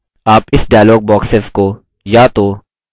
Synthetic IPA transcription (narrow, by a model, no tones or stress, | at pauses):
aːpɪsɖaːjloːɡ̚bɔːksesko | jaːt̪oː